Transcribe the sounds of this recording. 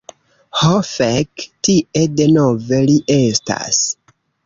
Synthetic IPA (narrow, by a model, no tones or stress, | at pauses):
hofektiʔe̞de̞no̞ve̞liʔe̞sta̰s